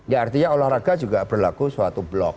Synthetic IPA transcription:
jaart̪iɲaolahɾaɡad͡ʒuɡab̥ərlakusuat̪ublɔk̚

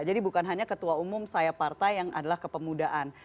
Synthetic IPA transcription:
d͡ʒadibukanɦaɲakət̪uaumʊmsajapart̪ajːaŋa̰dalahkəpəmudaʔan

